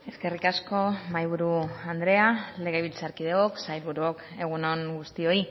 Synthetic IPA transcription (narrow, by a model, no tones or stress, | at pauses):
e̞ske̞rikasko̞majβ̞uɾuand̪ɾe̞ale̞ɣeβilt͡saɾkið̞eoksajlβuɾuok | e̞ɣunoŋɡust̪io̞i